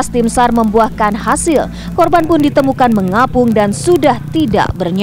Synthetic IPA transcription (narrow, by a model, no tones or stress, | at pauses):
st̪imsarməmbuahkanɦasɪl | kɔrbanpʊndit̪əmukanməŋapʊŋdansudaht̪ida̰ʔbərɲ